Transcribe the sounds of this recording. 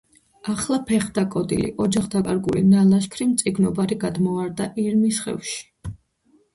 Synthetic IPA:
aχlˠapʰɛχd̪akʼɔd̪ḭlḭʔɔd͡ʒaχd̪akʼaɾɡulḭnalaʃkʰɾimt̪sʼiɡnɔbaɾiɡad̪mɔaɾd̪aʔiɾmisχɛ̰vʃi̥

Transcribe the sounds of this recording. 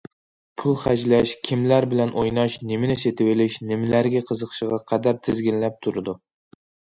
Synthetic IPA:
pʰulˠχæd͡ʒlæʃkʲʰimlæɾbɪlɛnʔojnɑʃnɪmɪnɪset̪ʰɪwɪlɪʃnɪmɪlæɾɡʲɛqʰəzəqʰʃɨʁɑqʰɛd̪æɾt̪ʰɪzɡʲinlæp̚t̪ʰuɾɨd̪u

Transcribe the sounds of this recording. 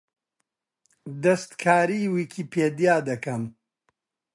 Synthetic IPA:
d̪ɐst̪kʰaːɾiːwiːkʰiːpʰeːd̪jaːd̪ɐkɐm

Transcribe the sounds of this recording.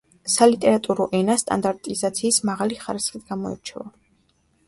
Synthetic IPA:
salit̪ʼɛɾat̪ʼuɾɔʔɛnast̪ʼa̰nd̪aɾt̪ʼizat̪sʰiːsmaʁaliχaɾisχid̪ɡamɔɛ̰ɾt͡ʃʰɛ̰va

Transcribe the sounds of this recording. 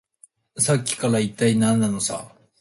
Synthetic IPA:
sakʲːi̥kaɾait̪ːainãnːano̞sa̰

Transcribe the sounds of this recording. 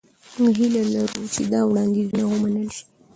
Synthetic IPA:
muɡɦilalaɾut͡ʃed̪ɑwɽɑnd̪izunawəmanəlʃi̥

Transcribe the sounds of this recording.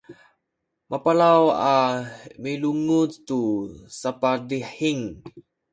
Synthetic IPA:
mʔapalawamiluŋutːusapadiħiŋ

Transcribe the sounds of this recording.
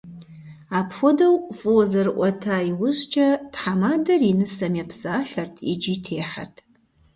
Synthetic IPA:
aːpxʷɔdɐwfʼozɐrɨʔʷʼɔtʰaːiwʊʑt͡ʃʰʼɐtħamaːdɐrinɨsɐmjɛpʰsaːɬɐrtʰḭd͡ʒiːtʰeːħa̰rtʰ

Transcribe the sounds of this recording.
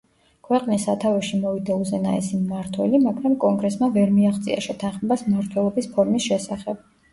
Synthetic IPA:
kʰwɛqʼnisat̪ʰavɛʃimɔvid̪auzɛna̰ɛ̰simːaɾt̪ʰwɛlimaɡɾamkʼɔŋɡɾɛsmavɛɾmiaχt̪sʼia̰ʃɛt̪ʰanχmɛbasmmaɾt̪ʰwɛlˠɔbispʰɔɾmisʃɛsaχɛb̥̚

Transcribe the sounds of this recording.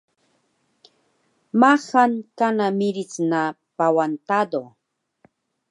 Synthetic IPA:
mahaŋkanamɪɾit͡sna | pawant̪ad̪o

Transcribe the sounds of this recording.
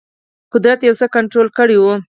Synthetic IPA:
qʊd̪ɾat̪jawsəkaɳʈɾolkəɽiwu

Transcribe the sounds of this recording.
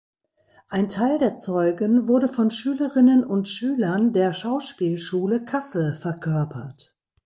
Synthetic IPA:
ʔaɪntʰaɪldeːɐt͡sɔʏɡənvʊɐdəfɔnʃyːləʁɪnənʊntʃyːlɐndeːɐʃaʊʃpiːlʃuːləkʰasəfɛɐkʰœɐpʰɐt

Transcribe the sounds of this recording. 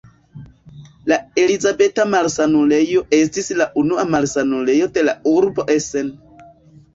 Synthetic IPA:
lae̞lizabe̞tamalsanule̞jo̞ʔe̞stislaʔunuamalsanule̞jo̞de̞lauɾbo̞ʔe̞se̞n

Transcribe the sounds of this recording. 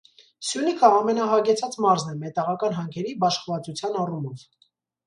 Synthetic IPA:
sjunikʰəɑmɛnɑɦɑɡɛt͡sʰɑt͡smɑɾznɛmɛt̪ɑʁɑkɑnɦɑŋkʰɛɾibɑʃχəvɑt͡sut͡sʰjɑnɑrumɔv̥

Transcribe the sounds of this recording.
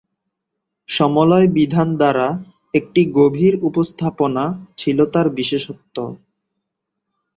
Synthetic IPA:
ʃɔmolɔebid̪ʱand̪aɾa | ek̚ʈiɡobʱiɾupost̪ʰaponat͡ɕʰilot̪aɾbiʃeʃot̪ːo

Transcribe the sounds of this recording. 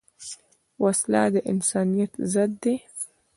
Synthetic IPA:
wasla̰ːd̪aʔɪ̰nsaːnijat̪zad̪ːi

